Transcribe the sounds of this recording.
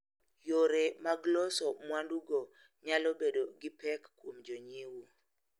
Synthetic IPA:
joɾemaɡlɔsɔmwanduɡo | ɲalɔbedoɡɪpɛkːwomd͡ʒɔɲewu

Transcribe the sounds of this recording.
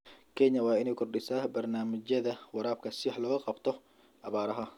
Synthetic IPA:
kʰɛɲːɐwɑːɪnɛːjkʰɔrɗɪsaːbɐrnaːmɐt͡ʃɐðɐwɐɾaːb̚kʰɐsɪħlɔːɣɐqʼɑbt̪ʰɔ | ʔɐβaːɾɐɦɐ

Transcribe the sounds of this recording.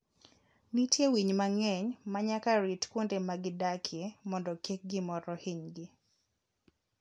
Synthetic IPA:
nitjewiɲmaŋɛɲmaɲakaɾitkwondemaɡɪdakʰɪemɔndɔkek̚ɡɪmɔɾɔhiɲɡɪ

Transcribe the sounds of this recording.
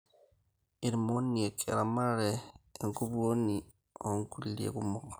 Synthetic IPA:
iɾimoniekʰḛɾamaɾeeŋkuβuoni | oŋkulilḛkumokḁ

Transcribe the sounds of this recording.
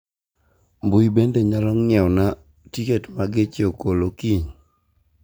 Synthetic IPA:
mbuibendeɲalɔŋɛɔna | tiketmaɡɪt͡ʃokolokiɲ

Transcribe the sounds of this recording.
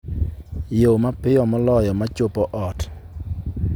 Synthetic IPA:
jomapɪɔmɔlɔjɔmat͡ʃopɔʔɔt

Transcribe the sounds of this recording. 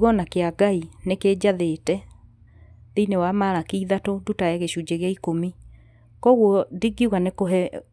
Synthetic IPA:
ɣɔnakeaɡaineked͡ʑaðetɛ | ðiinewamaɾakiiðatodutaɛɣeɕud͡ʑeɣeaikomi | kɔɣwɔdiɡiɣanekoɦɛ

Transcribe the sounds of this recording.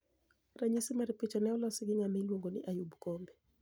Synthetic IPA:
raɲisimaɾipit͡ʃɔnɛɔlɔsɪɡɪŋamɛlwoŋɡonɪʔajubkɔmbɛ

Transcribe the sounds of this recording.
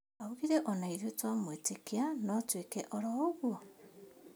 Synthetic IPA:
auɣiɾɛʔɔnaiɾetwamwetekeanɔtwekɛʔɔɾɔːɣwo

